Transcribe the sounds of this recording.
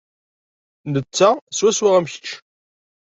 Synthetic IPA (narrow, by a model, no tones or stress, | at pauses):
nət͡sːæswæswaʁæmçə̥t͡ʃː